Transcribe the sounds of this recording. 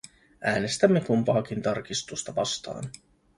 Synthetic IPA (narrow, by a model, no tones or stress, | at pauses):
ʔæːne̞st̪æmːe̞kumpɑːkint̪ɑrkist̪ust̪ɑʋɑst̪ɑ̰ːn